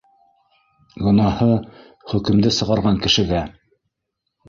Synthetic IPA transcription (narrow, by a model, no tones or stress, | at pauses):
ɡŏnɑhɤ | χɵ̆kɘ̆md̪ɘsɤ̆ʁɑɾʁɑŋkɘ̆ʃɘ̆ɡæ